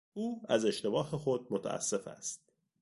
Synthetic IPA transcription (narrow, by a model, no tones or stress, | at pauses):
uːæ̰ze̞ʃt̪e̞bɒːɦexo̞d̪̚mot̪ʰæ̰æ̰sːe̞fæ̰st̪̚